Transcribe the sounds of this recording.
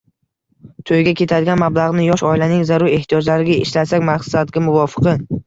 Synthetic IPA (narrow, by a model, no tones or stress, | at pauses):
t̪ʰojɡʲakʲʰe̞t̪ʰad̪ɪɡʲanmablˠaʁnɪjɒʃɒilanɪŋzaɾʊɾe̞ht̪ʰijɒd͡ʒlaɾɪɡʲaɪ̰ʃlasakʲmaχsad̪ɡʲamʊvɒfɨ̥qɨ